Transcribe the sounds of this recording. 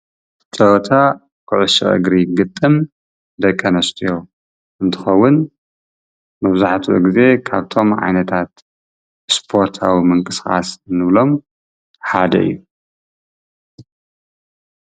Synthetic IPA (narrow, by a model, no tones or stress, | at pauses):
t̪ʼɐwt̪ʰa | kʰɨʕʊsɐ̰ʔɨ̰ɡɾiɡɨt̪ʼːɨm | d̪ɐkʼːɐnɐst̪ʼijo̞ | ʔɨnt̪ʰɨxɐwːʊn | mɐβzaħt̪ʰuʔṵɡize̞kʰaβt̪ʰo̞mʕa̰jnɐt̪ʰat̪ | spʰo̞ɾt̪ʰa̰wimɨŋkʼɨsxʼa̰snɨβlo̞m | ħad̪ɐ̰ɨ̰jːu